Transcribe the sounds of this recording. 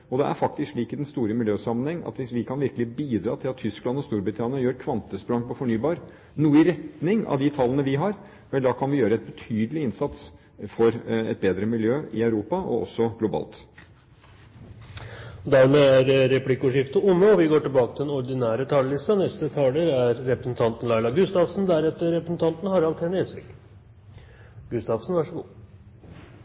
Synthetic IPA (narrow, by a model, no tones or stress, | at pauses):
ɔd̪ɛʔæ̰ɾfɑk̚t̪ɪskʂliːkəd̪ɛnst̪uːɾəmɪljøːsɑmːənhɛŋːɑ̰t̪ʋɪsʋɪkʰɑnʋɪɾkəlɪbiːd̪ɾɑ̰ːt̪ʰɪlɑt̪ʰːʏsklɑnɔst̪uːɾbɾɪt̪ʰɑːnɪɑjøːɾkʰʋɑnt̪əspɾɑŋpɔfɔɳyːbɑːɾə | nuːəɪɾɛt̪nɪŋɑ̰ʋd̪ɪt̪ʰɑlːənəʋɪɦɑɾ | ʋɛld̪ɑːkʰɑnʋɪjøːɾəɛt̪̚bət̪ʰyːd̪əlɪɪnsɑt̪s | fɔɾɛ̰t̪̚beːd̪ɾəmɪljøːɪœʉɾuːpɑɔ̰ʔɔ̰sːɔɡlʊbɑ̰ːlt̪ | ɔd̪æɾmeːæɾːɛpʰlɪkːʊʂɪft̪əʊmːəɔʋɪɡoːʈɪlbɑːkət̪ʰɪlɛnɔɾd̪ɪnæːɾət̪ʰɑlːəlɪst̪ɑnɛst̪ət̪ʰɑːləɾæɾːɛpɾəsn̩t̪ʰɑnt̪n̩lɑɪlɑɡʉst̪ɑʋsn̩d̪æɾɛt̪ːəɾɛpɾəsn̩t̪ʰɑnt̪n̩hɑɾɑlt̪ʰhɛnəɛsʋɪ̰k | ɡ̥ʉst̪ɑfsn̩ʋɑʂəɡṵː